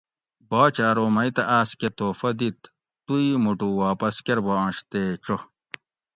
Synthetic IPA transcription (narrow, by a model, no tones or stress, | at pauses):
baːt͡ɕaːɾoːmɐjt̪ɐʔaːsket̪oːfɐd̪it̪ | t̪uimuʈuwaːpɐskeɾbɐɐ̃ɕt̪eːʈ͡ʂo